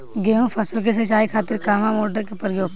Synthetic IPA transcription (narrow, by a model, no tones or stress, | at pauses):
ɡeːɦũfʰɐsəlk̬es̬ɐt͡ʃaːikʰaːt̪ɪɾkaːmamoːʈəɾkepɾɪjoːɡ̚